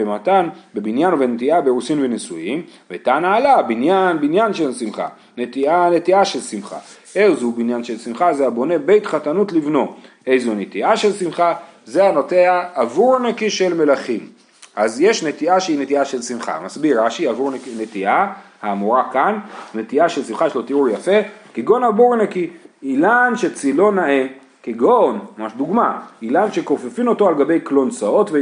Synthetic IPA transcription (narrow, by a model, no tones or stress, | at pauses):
emat̪anbebinjanobenet̪iabeʁusimvenesujimvet̪anaːlabinjanbinjanʃelsimχa̰ | net̪iane̞t̪iaʃe̞lsimχa̰ | ʔeχzubinjanʃe̞lsimχazeabo̞ne̞be̞jt̪χatanut̪livno̞ʔe̞jzonet̪iʔaʃe̞lsimχa | zeanot̪eaːvuʁanekiʃe̞lme̞laχim | ʔazjeʃnet̪iaʃeinet̪iaʃe̞lsimχa̰masbiʁːaʃiavuʁkinet̪iʔahaːmuʁakannet̪iaʃelsimχajeʃlo̞t̪euʁjafe̞keɡo̞navuʁenakiilanʃet͡silo̞naʔe | keɡonmamaʃd̪uɡmailanʃe̞ko̞fefimo̞toalɡabe̞jklo̞nt͡sao̞tve